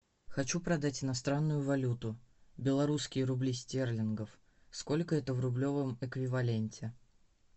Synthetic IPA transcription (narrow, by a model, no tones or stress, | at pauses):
xɐt͡ɕupɾɐd̪atʲɪnɐst̪ɾanːʊjʊvɐlʲut̪ʊbʲɪlˠɐɾuskʲɪjəɾʊblʲisʲtʲerlʲɪnɡəf | sko̞lʲkəɛt̪əvɾʊblʲo̞vəmɪkvʲɪvɐlʲenʲtʲɪ